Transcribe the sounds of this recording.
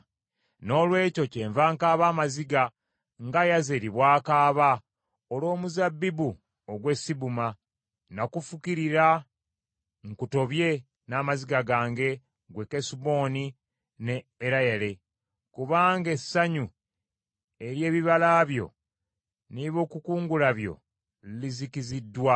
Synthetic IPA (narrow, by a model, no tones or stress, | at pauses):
no̞ːlwe̞ːco̞ce̞ːɱvaːŋkaːβaːmaziɡa | ŋɡajazeɾiβwaːkaːβa | olo̞ːmuzabːibu | oɡwe̞sibuma | nakufukiɾiɾa | ŋkuto̞βje̞ | namaziɡaɡaːŋɡe̞ | ɡwe̞kesubo̞ːni | neːɾajele̞ | kuβaːŋɡe̞sːaɲu | eɾje̞ːβiβalaːβjo̞̰ | niβo̞ːkukuːŋɡulaβjo̞̰ | lilizikizidːwa